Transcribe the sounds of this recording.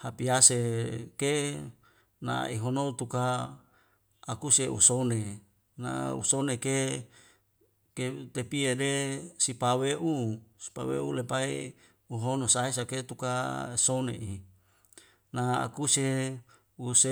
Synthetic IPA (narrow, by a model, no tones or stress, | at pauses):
hapiaseke | na̰iɦonot̪uka | kuseṵsone | na̰ṵsoneke | ket̪epiedesipaweʔusi̥pa̰wḛulepai | uɦonosaes̬aket̪ukaesonḛʔi | naa̰kuse | use